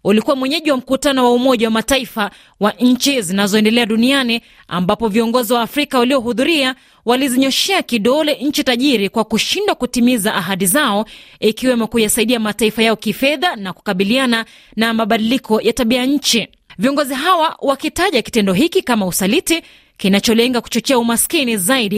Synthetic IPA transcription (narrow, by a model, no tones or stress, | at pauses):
ulikuwamwɛɲɛʄiwam̩kutanɔwaumɔʄawamataifa | waʔɲ̩t͡ʃizinazɔɛndɛlɛaɗuniani | a̰mbapɔviɔŋɡɔziwaːfɾikawaliɔɦuðuɾia | waliziɲɔʃɛakiɗɔlɛɲ̩t͡ʃitaʄiɾikwakuʃindwakutimizaʔaɦaɗizaɔikiwɛmɔkujasaiɗiamataifajaɔkifɛðanaku̥kaɓiliana | namaɓaɗilikʰɔjataɓiaɲ̩t͡ʃi | viɔŋɡɔziɦawawakitaʄaki̥tɛndɔɦikikamausaliti | kinat͡ʃɔlɛŋɡaku̥t͡ʃɔt͡ʃɛaumaskinizaiɗi